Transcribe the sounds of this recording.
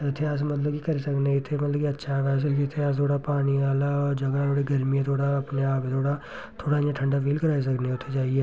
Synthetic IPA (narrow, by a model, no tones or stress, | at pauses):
ɪt̪ʰːeas̬mət̪̬ləbkikəɾiːsəkneɪt̪ʰːeːmət̪ləbkiətːʃʰaʋaːs̬kiɪt̪ʰːeast̪ʰoːɽaːpaːñiːaːlaːɔːɾd͡ʒəɡat̪ʰoːɽiɡəɾmijẽt̪ʰoːɽaːɐpneaːpːt̪ʰoːɽaː | t̪ʰoːɽaːjãʈʰə̃ɳɖaːfiːlkəɾaːis̬əkneʊt̪ʰːed͡ʒaːiɛː